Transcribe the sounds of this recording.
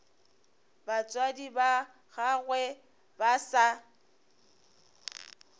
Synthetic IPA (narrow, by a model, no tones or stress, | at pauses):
bat͡sʼwadiba | ɣaɣwɛ | basa